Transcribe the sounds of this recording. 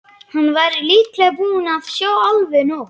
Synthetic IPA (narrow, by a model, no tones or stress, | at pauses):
hanːvaɾliːklɛɣbuːnavsjaːwawlvɪnu